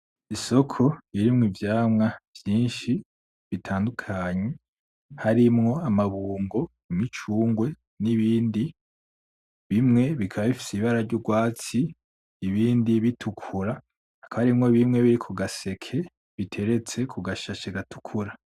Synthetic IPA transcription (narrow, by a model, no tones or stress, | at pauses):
iso̞kʰo̞iɾimŋivjaːmŋav̥jiːnʃi | βitʰaːndukʰaɲe̞ | haɾimŋo̞amaβuːŋɡo̞ | imit͡ʃuːŋɡwe̞ | niβiːndi | βimŋe̞βikʰaβaβifi̥siβaɾaɾɟuɡwaːt͡siː | βiːndiβitʰukʰuɾa | akahaɾimŋo̞βimŋe̞βiɾikʰuɡase̞kʰe̞ | βitʰe̞ɾe̞t͡se̞kʰuɡaʃat͡ʃeɡatʰu̥kʰuɾa